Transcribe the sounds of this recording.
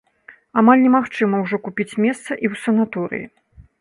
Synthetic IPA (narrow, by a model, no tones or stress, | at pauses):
amalʲnʲɛmaxt͡ʂɨmɐwʐɔkupʲit͡sʲmʲɛst̪sɐʔiwsɐnat̪uɾɨ̰jḭ